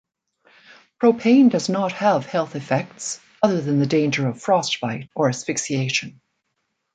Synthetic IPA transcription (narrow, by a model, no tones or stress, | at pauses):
pʰɹ̥oʊpʰẽɪ̃ndʌznət̚həv̥hɛlˠθɨfɛk̚ts | ʌðə˞ðɨ̃nðɨdẽɪ̃nd͡ʒə˞ʌv̥fɹɔstfaɪɾə˞ɨsfɪksieɪʃɨ̃n